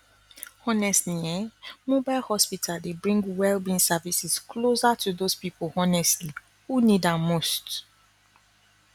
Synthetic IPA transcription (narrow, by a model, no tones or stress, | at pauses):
hɔnɛstliɛmobaɪlˠhɔspitʰaldebɹĩŋɡwɛlbĩnsavisisklozatʰuðospipolhɔnɛstli | hunidamost